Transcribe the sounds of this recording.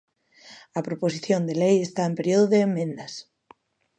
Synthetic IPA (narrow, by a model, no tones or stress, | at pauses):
ɐpɾoposiθjond̪elejest̪aempeɾjoðoðeːmːẽnd̪ɐs